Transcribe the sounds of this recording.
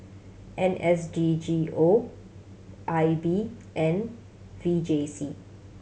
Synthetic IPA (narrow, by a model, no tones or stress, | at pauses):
ʔɛ̃nʔɛsd͡ʒid͡ʒio | ʔajbiʔɛ̃n | vid͡ʒesi